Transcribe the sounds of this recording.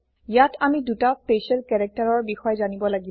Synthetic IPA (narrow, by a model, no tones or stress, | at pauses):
jatʰamidutaspesɛlkɛɹɛk̚taɹɔɹbixɔjɛzanibɔlaɡi